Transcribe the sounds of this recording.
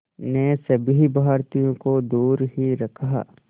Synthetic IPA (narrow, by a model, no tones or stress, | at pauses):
nesɐbɦibaːɾt̪ijõkod̪uːɾɦiɾɐkʰa̰